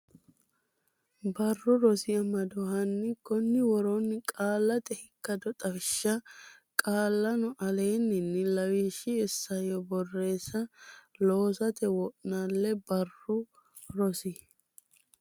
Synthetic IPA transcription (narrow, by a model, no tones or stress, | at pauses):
bɐrːʊɾɔsɪjɐmɐd̪ɔhɐnːɪkɔnːɪwɔɾɔnːɪkʼaːlːɐt̪ɛhɪkːɐd̪ɔt̪ʼɐfɪʃːɐkʼaːlːɐnʊʔɐle̞ːnːɪnːɪlɐwiʃɪɛsːɐjɔbɔrːe̞ːsːɐloːsɐt̪ɛwɔʔnalːɛbɐrːʊ | ɾɔsɪ